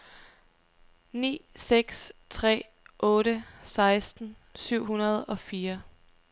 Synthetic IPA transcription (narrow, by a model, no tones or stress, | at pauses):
nḭːseɡ̥st͡sʰʁɛ̰ː | ʔɔ̽ːɾəsɑ̈ɪsd̥n̩ | syʊ̰ɦunɐð̞̩ˠɒ̽fiːɐ